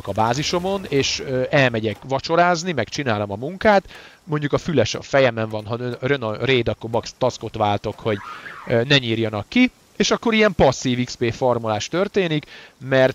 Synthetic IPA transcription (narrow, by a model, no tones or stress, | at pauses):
okɒbaːziʃo̞mo̞neːʃøɛlmɛɟɛkʋɒt͡ʃo̞ɾaːznimɛkt͡ʃinaːlo̞mɒmuŋkaːt̪ | mo̞ɲɟukɒfylɛʃɒ̰fɛjɛmɛɱvɒnɦɒnøɾønɒreːd̪ɒkːobɒkst̪ɒsko̞t̪ʋaːlt̪o̞kho̞ɟnɛɲiːrjɒnɒkːi | eːʃɒkːo̞ɾijɛmpɒsːiːvikspeːformolaːʃt̪ø̞rt̪eːnikmɛrt̪